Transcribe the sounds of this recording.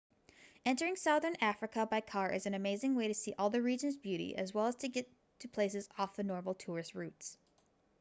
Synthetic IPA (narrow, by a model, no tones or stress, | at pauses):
ɛ̃ntə˞ɪ̃ŋsaʊðə̃˞næfɹɨkəbaɪkʰɑɹʔɨ̰zɨ̃n̩ɨmeɪzɪ̃ŋweɪɾɨsiʔɔlˠðɨɹid͡ʒɨ̃nzbjʉɾḭʔɨ̰zwɛlˠəz̥tʰɨɡɛtʰɨpʰl̥eɪs̬ɨzɔfðɨnɔɹml̩ˠtʰʊɹɨst̚ɹʉts